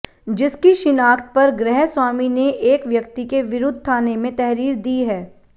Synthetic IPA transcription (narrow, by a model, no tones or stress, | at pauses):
d͡ʒɪskiʃɪnaːkt̪̚pɐɾɡɾɛɦswaːmineʔeːkʋjɐk̚t̪ikeʋɪɾʊd̪ʱt̪ʰaːnemẽt̪ɛɦɾiːɾd̪iːɦɛː